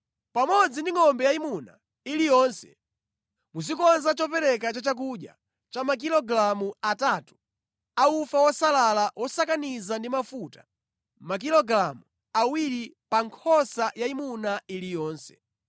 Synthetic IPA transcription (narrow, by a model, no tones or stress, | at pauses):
pamɔd͡zindiŋɔmbɛjaimuna̰ | ilijɔnsɛ̥ | mus̬ikɔnzat͡ʃɔpɛɾɛkat͡ʃat͡ʃak̬uɗja̰ | t͡ʃamak̬ilɔɡɾamuataːtu̥ | aufawɔsalalawɔsakanizandimafutḁ | mak̬ilɔɡɾamu | awiɾipaŋkʰɔsajaimunailijɔːnsɛ̥̰